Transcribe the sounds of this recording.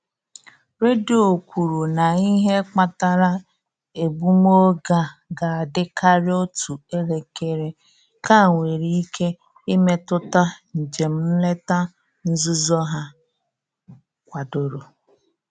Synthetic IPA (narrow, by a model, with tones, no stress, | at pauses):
ɾe˦do˨kʷu˨ɾu˨na˨i˦ɦe˦k͡pa˨ta˨ɾa˦ | e˨bu˦m˦o˦ɡa˨ɡa˨a˨dɪ˦ka˦ɾɪ˦o˦tʰu˨e˦le˨ke˨ɾe˨ | ka˦˨ŋʷe˨ɾi˦i˦kʰe˦ | ɪ˦me˦tʊ˦ta˦n̩˨d͡ʒe˨m̩˦m̩˦le˦ta˦ | n̩˦zu˦zɔ˦ɦa˦ | kʷa˨do˨ɾo˨